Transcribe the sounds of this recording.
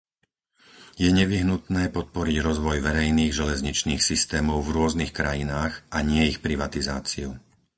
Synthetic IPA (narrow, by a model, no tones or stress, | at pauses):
jɛɲɛʋiɦnut̪nɛːpɔt̪̚pɔɾiɟɾɔzʋɔjʋɛɾɛjniːɣʒɛlɛzɲit͡ʃniːxsist̪ɛːmɔʊvɾʊɔznixkɾajinaːɣʔaɲɪɛixpɾiʋat̪izaːt͡siu